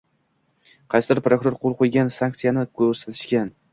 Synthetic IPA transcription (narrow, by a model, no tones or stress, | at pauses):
qʰɑjsɪd̪ɪɾpɾokʊɾoɾqʰolˠqʰojɡʲansaŋk̚t̪sɨjanɪkʰɵɾsat̪ʰɪ̥ʃkʲan